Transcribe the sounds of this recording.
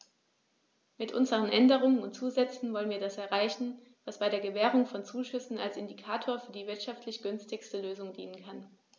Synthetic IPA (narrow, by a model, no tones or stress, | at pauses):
mɪtʔʊ̰nzəʁ̞ənʔɛndəʁ̞ʊŋənʊntt͡suːzɛt͡sn̩vɔlənviːɐdasɛɐʁaɪçn̩ | vasb̥aɪɾeːɐɡəvɛːʁ̞ʊŋfɔnt͡suːʃʏsn̩a̰lsɪndikʰaːtʰoːɐfyːɐdiːvɪɐtʃaftʰlɪçɡ̥ʏnstɪçstəløːzʊŋdiːnənkʰan